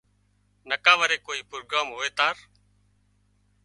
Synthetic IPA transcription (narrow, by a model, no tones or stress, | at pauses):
nəkaːʋəɾeːkoːiːpɾoːɡaːmɦoːeːt̪aːɾ